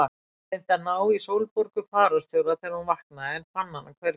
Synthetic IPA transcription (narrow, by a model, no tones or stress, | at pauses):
a | ent̪anaːwisoːwlpɔɾkʏfaːɾɔst̪jowɾaθɛɾunvahknaɛnfanːanːakʰvɛɾ